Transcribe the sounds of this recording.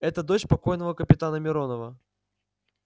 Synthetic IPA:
ɛt̪əd̪o̞t͡ɕpɐko̞jnəvəkəpʲɪt̪anəmʲɪɾo̞nəvə

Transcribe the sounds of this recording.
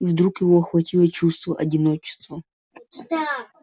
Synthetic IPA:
ivd̪ɾukjɪvoɐxvɐtʲilˠət͡ɕust̪vəʔɐdʲɪnot͡ɕɪ̥st̪və

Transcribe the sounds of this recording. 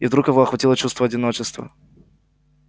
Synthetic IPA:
ivd̪ɾukjɪvoɐxvɐtʲilˠət͡ɕust̪vəɐdʲɪno̞t͡ɕɪst̪və̰

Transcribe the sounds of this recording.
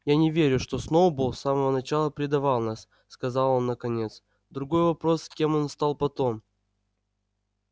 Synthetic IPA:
janʲɪvʲeɾʲʊʂt̪o̞snowbulˠsaməvənɐt͡ɕalˠəpɾʲɪd̪ɐvɑlˠnasːkɐzɑlˠo̞nːəkɐnʲe̞t̪s | d̪ɾʊɡo̞jvɐpɾo̞skʲe̞mo̞nst̪ɑlˠpɐt̪o̞m

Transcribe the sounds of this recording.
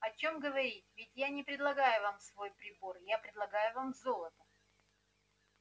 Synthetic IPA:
ɐt͡ɕo̞mɡəvɐɾʲit̚ʲvʲɪtʲjanʲɪpɾʲɪd̪lˠɐɡajʊvamsvo̞jpɾʲɪbo̞rjapɾʲɪd̪lˠɐɡajʊvamzolˠət̪ə

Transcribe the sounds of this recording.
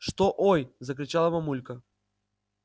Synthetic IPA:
ʂt̪oʔojzəkɾʲɪt͡ɕalˠɐmɐmulʲkə

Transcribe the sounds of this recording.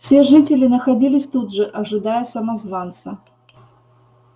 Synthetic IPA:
fsʲeʐɨtʲɪlʲɪnəxɐdʲilʲɪsʲt̪ud̪ʐɨʔɐʐɨd̪ajəsɐmɐzvant̪sə

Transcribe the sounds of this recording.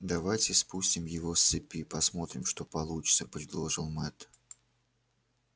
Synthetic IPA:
d̪ɐvajtʲɪspusʲtʲɪmjɪvost̪ːɨpʲipɐsmo̞t̪ɾʲɪmʂt̪opɐlˠut͡ɕɪt̪səpɾʲɪd̪lˠoʐɨlˠmɛt̪

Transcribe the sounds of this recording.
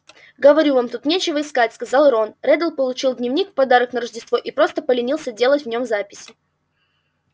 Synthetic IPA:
ɡəvɐɾʲuvamt̪ut̪nʲet͡ɕɪvəɪskatʲskɐzalˠɾo̞nrɛd̪əlˠpəlˠʊt͡ɕilˠd̪ʲnʲɪvnʲikfpɐd̪aɾəknəɾəʐdʲɪst̪vo̞ʔipɾo̞st̪əpəlʲɪnʲilˠsʲədʲe̞lˠətʲvnʲo̞mzapʲɪsʲɪ

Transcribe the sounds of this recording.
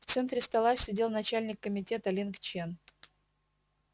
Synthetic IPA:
ft̪sɛnt̪ɾʲɪst̪ɐlˠasʲɪdʲe̞lˠnɐt͡ɕælʲnʲɪkːəmʲɪtʲe̞t̪ɐlʲinkt͡ɕen

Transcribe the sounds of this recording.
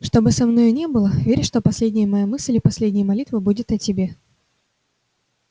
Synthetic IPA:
ʂt̪o̞bɨsɐmno̞jnʲe̞bɨlˠəvʲeɾʲɪʂt̪o̞pɐsʲlʲedʲnʲɪjəmɐjamɨsʲlʲɪpɐsʲlʲedʲnʲɪjəmɐlʲit̪vəbudʲɪt̪ɐtʲɪbʲe

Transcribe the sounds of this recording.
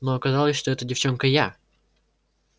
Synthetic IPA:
noɐkɐzɑlˠəsʲʂt̪o̞ɛt̪ədʲɪft͡ɕo̞nkəja

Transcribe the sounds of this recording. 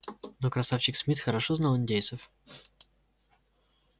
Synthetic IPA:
nokɾɐsafɕɪksmʲit̪xəɾɐʂoznalˠɨnʲdʲej̪səf

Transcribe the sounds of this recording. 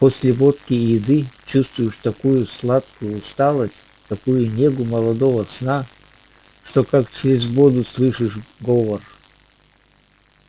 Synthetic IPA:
posʲlʲɪvot̪kʲɪjɪd̪ɨt͡ɕust̪vʊjɪʂt̪ɐkujʊslˠat̪kʊjʊːst̪alˠəsʲtʲ | t̪ɐkujʊnʲeɡʊmɐlˠɐd̪ovəsna | ʂt̪okakt͡ɕɾʲɪzʲvod̪ʊslˠɨʂɨʂɡovər

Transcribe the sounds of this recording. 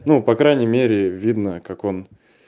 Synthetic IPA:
nupɐkɾajnʲɪmʲeɾʲɪvʲid̪nəkako̞n

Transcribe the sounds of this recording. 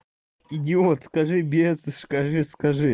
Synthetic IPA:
ɪdʲɪot̪skɐʐɨbʲesɨʂkɐʐɨskɐʐɨ

